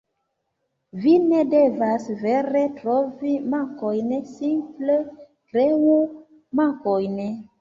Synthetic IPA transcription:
vinedevasveɾe̞tɾovimaŋkojnsimple | kɾeu | maŋkojn

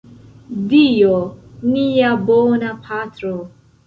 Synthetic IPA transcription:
dioniabonapʰatɾo

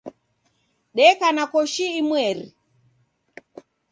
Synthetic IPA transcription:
ɗɛkanakɔʃiimwɛɾḭ

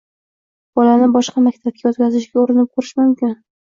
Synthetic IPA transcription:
b̥ɒlanɪbɒʃqɑmak̚ʲt̪ʰab̚kʰʲajɒt̪̚kʲʰazɪʃɡʲaoɾɪnɪp̚qʰʊɾɪʃmʊmkʲɪn

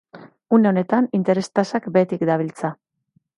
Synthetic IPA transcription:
une̞o̞ne̞t̪anint̪e̞ɾe̞st̪asakbe̞t̪ikd̪aβ̞ilt͡sa

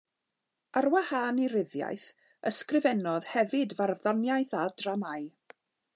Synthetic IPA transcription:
arwahaːniɾɪðja̰jθ | əskrɪvɛnɔð̥hɛvɨdvarvðɔnjajθadranaɨ

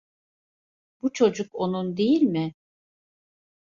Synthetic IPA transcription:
b̥ut͡ʃʰo̞d͡ʒuko̞nund̪ejilʲmɪ

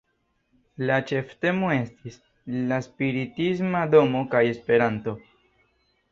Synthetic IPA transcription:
lat͡ʃe̞fte̞mo̞e̞stis | laspiɾitis̬mado̞mo̞kaje̞spe̞ɾanto̞

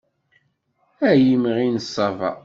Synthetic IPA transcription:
æjimʁinəsˤːɑvɑ̰

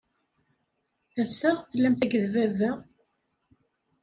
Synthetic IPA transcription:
æsːæʁθəlːæmθæɡəðvævæ

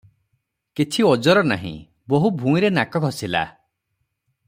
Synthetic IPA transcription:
kit͡ʃʰiɔd͡ʒɔɾɔna̰ɦḭ̃ | boɦubʱũiɾenakɔɡʱɔsila̰

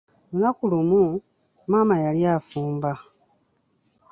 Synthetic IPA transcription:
lunakulumu | maːmajaljaːfuːmba

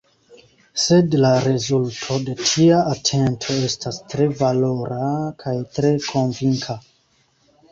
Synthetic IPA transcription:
sedlaɾezultʰo̞de̞tʰiaʔːtʰentʰo̞estʰastɾe̞valoɾakʰajtɾekʰonviŋkʰa

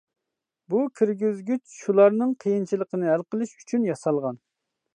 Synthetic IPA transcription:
bukʲʰiɾɡʲizɡʲyt͡ʃʃulˠɑɾnɨŋqʰəjint͡ʃʰilˠəqənɨælqəlˠɨʃy̥t͡ʃʰynjɑsɑlˠʁɑn

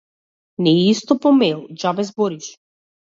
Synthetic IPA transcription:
nɛist̪ɔpɔmɛlˠd͡ʒabɛzbɔɾiʃ

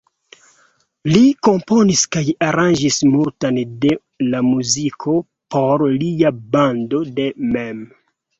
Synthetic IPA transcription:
liko̞mpo̞niskajaɾand͡ʒismultande̞ | lamuzikʰo̞ | po̞ɾliabando̞de̞mem

